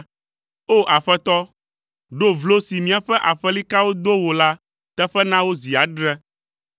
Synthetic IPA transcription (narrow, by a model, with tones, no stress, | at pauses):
o˦ʔa˨ɸɛ˦t̪ɔ˦ | ɖo˦vlo˦si˨mĩ˦a˨ɸɛ˦ʔa˨ɸɛ˦li˦ka˦wo˦d̪o˦wo˨la˦ | t̪ɛ˦ɸɛ˦nã˦wo˦zi˨a˨ɖɾɛ˦